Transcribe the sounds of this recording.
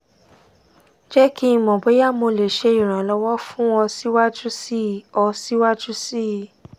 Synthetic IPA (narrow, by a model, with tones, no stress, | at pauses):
d͡ʒɛ˦kĩ˦˧mɔ̃˨be˨˦ja˦˨mo˧le˨ʃe˧i˨ɾ̃ã˨lɔ˧wɔ˦fũ˦ɔ˧si˦wa˦d͡ʒu˦si˦˨ɔ˧si˦wa˦d͡ʒu˦si˦˨